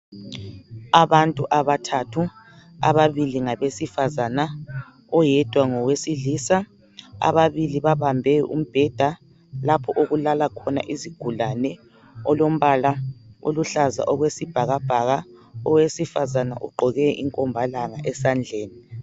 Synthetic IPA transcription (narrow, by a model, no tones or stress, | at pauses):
aβantʼuʔaβatʰatʰu | a̰βaβiliŋaβesifazana | ɔjɛd̥ʱwaŋɔwesilisa | a̰βaβiliβaβambʱɛjɔʔṵm̩b̥ʱɛd̥ʱa | lapʰɔʔoɣulalakʰɔna̰ʔiziɡ̥ʱulanɛ | ɔlom̩βalao̰luɬaza̰ʔɔɣwesib̥ʱaɣab̥ʱaɣaɔwesifazana̰ʔuɡ͡ǃʱɔɣɛʔḭŋkʼɔmbʱalaŋaʔɛsand͡ɮʱeːni